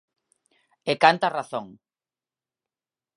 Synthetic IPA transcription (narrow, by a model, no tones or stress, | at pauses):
ekant̪araθõŋ